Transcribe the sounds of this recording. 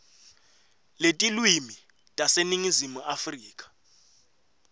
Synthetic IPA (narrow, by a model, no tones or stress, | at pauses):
letʼilwimi | tʼaseniŋizimuafriːkʼḁ